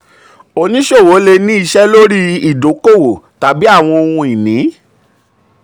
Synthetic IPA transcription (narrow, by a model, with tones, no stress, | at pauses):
o˧nĩ˦ʃo˦˨wo˨˦le˧nĩ˦i˧ʃɛ˦lo˦ɾi˦i˦˨do˨˦ko˦˨wo˨ | ta˨bi˦a˦˨w̃ɔ̃˧o˧hũ˧i˨nĩ˨˦